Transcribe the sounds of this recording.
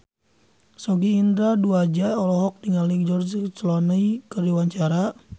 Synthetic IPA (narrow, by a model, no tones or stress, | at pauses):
sɔɡiːnd̪ɾaduad͡ʒaɔlɔɦɔk̚diŋaliŋd͡ʒɔrd͡ʒt͡ʃəlɔnəikərdiwaɲt͡ʃaɾa